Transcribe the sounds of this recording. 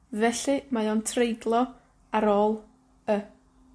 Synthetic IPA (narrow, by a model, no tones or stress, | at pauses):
vɛɬɨmajɔntʰrejdlˠɔ | aɾoːlˠ | ə